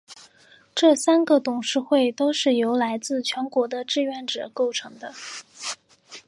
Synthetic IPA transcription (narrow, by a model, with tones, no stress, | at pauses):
ʈ͡ʂɤ˥˩sa˥nɡə˨t̪ʊ˨˩ŋʂɻ̩˥˧xwe˥˩ɪt̪o˥ʊʂɻ̩˥˩jo˧˥ʊla˧˥ɪt͡sɹ̩˥˩t͡ɕʰɥɛ˧˥nkwɔ˧˥d̪ə˧ʈ͡ʂɻ̩˥˧ɥɛ˥˩nʈ͡ʂɤ̰˨˩ko˥˩ʊʈ͡ʂʰɤ˧˥ŋd̪ə˧